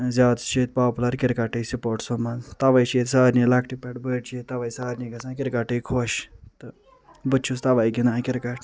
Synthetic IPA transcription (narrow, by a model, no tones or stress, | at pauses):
zʲaːd̪t͡ʃʰeːt̪̚paːpulɐɾkɪɾkaʈeːsipoːɾʈsomɐnt̪ɐʋajt͡ʃʰeːt̪saːɾnilɐkʰʈipɛʈbəːʈt͡ʃʰet̪ːɐʋaisaːɾniɡɐsãːkɪɾkaʈeːkʰoːʃt̪ɨ | bɨt͡ʃʰust̪ɐʋajɡinaːkiɾkaʈʰ